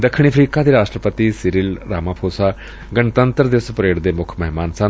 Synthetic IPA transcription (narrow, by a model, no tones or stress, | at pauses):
d̪əkʰːɳ̃iːəpʰɾiːkaːd̪iːɾaːʃʈɾəpət̪iːsɪɾiːlɾaːmãːpʰoːsaː | ɡənt̪ənt̪əɾd̪eːspəɾeːɽd̪eːmʊkʰməɦɪmaːnsən